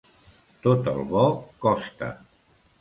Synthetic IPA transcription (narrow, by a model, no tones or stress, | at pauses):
t̪ot̪əlˠβɔkɔst̪ə̰